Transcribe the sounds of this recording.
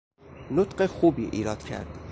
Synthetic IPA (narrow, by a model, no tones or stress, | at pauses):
not̪ɢexuːbiːʔḭːɾɒːd̪̥cʰæ̰ɾd̪̥